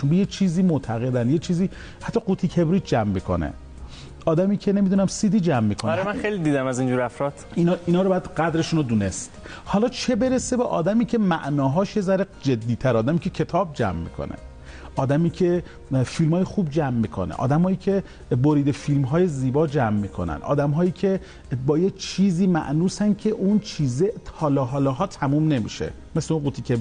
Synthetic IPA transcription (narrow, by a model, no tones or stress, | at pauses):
t͡ʃunbejet͡ʃʰiːziːmoʔt̪ʰæɣed̪ænd̪jet͡ʃʰiːziː | hæt̪ːɒːɡut̪ʰiːcʰebɾiːt̪ʰd͡ʒæmːiːkʰo̰nḛ | ɒːd̪æmiːcʰene̞mid̪unæmsid̪iːd͡ʒæmːiːkʰonɾemænxejlid̪iːd̪æmæzind͡ʒuɾæfɾɒt̪inːiːnɒːɾobææd̪ɢæd̪ɾe̞ʃuːnod̪uːne̞st̪ | hɒːlɒːt͡ʃʰe̞be̞ɾese̞beʔɒ̰ːd̪æmiːcʰe̞mæʔnɒːɦɒːʃezæɾed͡ʒe̞d̪ːiːt̪ʰæɾɒːd̪æmiːcʰecʰe̞t̪ʰɒːb̚d͡ʒæ̰mːḭːkʰo̰nḛ | ʔɒːd̪æmiːcʰe̞ | filmɒːjexuːb̚d͡ʒæmːiːkʰo̰nḛʔɒ̰ːd̪æmhɒːiːcʲʰe̞ | boɾiːd̪efilmɦɒːje̞ziːbɒːd͡ʒæmːiːkʰonæ̰nʔɒ̰ːd̪æmɦɒːiːcʲʰe̞ | bɒːjet͡ʃʰiːziːmæ̰ʔnuːsæn̚cʲʰeʔunt͡ʃʰiːzet̪hɒːlɒːɦɒːlɒːɦɒːt̪ʰæmuːmne̞mḭʃḛ | mesleunɡut̪ʰiːcʰʲe